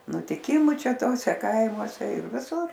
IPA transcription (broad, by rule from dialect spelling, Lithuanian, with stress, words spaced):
nʊtʲɪˈkʲɪmʊ ˈt͡ʃʲɛ ˈtoːsʲɛ ˈkɐɪmuɔsʲɛ ɪr ʋʲɪˈsʊr